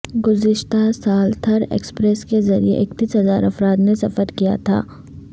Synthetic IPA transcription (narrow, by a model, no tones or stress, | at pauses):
ɡʊzɪʃt̪asaːlt̪ʰɐɾḛːkspɾɛskezɐɾḭḛʔeːkt̪iːsɦɐzaːɾɐfɾaːd̪nesɐfəɾkija̰t̪ʰa̰ː